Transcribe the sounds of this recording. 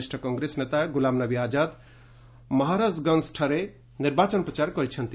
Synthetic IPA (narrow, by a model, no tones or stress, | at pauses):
sʈʰəkɔŋɡɾesnet̪aɡulamnʌbiad͡ʒat̪ | mʌɦaɾad͡zɡʌnsʈʰaɾe | niɾbat͡ʃʌnpɾət͡ʃaɾkʌɾit͡ʃʰʌnt̪i